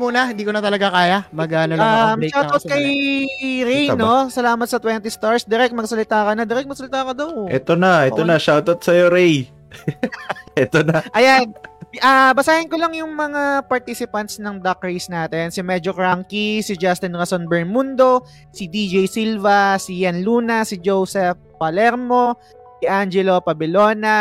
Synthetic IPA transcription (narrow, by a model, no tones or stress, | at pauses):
munɐhɪnd̪iːkonɐt̪ɐlɐɡakaːjamɐɡaːnoamʃaw̪ot̪kɐj | ɾɛjnosɐlaːmɐt̪sɐt̪wɛnt̪ist̪aɹsd̪ɪɾɛk̚t̪mɐɡsɐlɪt̪aːkɐnɐd̪ɪɾɛk̪̚mɐɡsɐlɪt̪aːkɐd̪oʔɛt̪onɐʔɛonɐʃawt̪ot̪̚sɐjoɾɛj | ɛt̪onɐʔɐjanʔaːbɐsaːhɪnkolɐŋjʊŋmɐŋapɐɹt̪isɪpɐnt̪snɐŋd̪ɐk̚ɹejsnaːt̪ɛnsimɛd͡ʒokɹaŋkisɪd͡ʒast̪ɪnɾɐsonbɛɹmund̪o̞ | sid̪id͡ʒejsilvɐsijɐnluːnɐsɪd͡ʒowsɛf | pɐlɛɾmo̞ | siʔand͡ʒɛlo̞pɐbɪlo̞ːnɐ